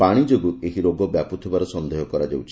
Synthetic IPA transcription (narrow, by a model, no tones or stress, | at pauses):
paɽ̃id͡ʒoɡueɦiɾoɡɔbjaput̪ʰibaɾɔsɔnd̪eɦɔkɔɾad͡ʒḛwt͡ʃʰ